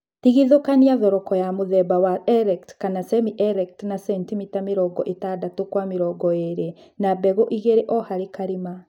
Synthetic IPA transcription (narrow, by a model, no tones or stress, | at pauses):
tiɣiðokaniaðɔɾɔkɔjamoðɛbawaʔɛɾɛktkanasɛmiʔɛɾɛktnasɛntimitamiɾɔɡɔ̰ʔetadatokwameɾɔːɡɔeɾe | nabɛɣoʔiɣeɾeʔɔhaɾekaɾima